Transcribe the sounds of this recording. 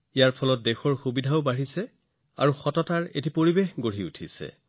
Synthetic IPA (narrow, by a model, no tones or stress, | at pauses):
ijaɹpʰɔlɔt̚dexɔɹxubidʱaʊbaɹisɛ | a̰ɹuxɔtɔtaɹḛtipoɹibexɡoɹiṵtʰisɛ̰